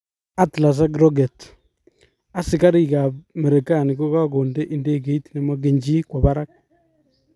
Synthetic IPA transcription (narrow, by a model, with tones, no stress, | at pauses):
a˦tla˨s̬a˦ɡɾɔɡe˨t | a˦si˨ka˦ɾi˦ka˨me˨ɾe˨ka˨ni˨ko˦ka˦koː˨nde˦ʔi˦nde˦ke˦i˦tina˦ma˦ɡe˨ɲd͡ʒi˦kwa˨βa˦ɾa˦k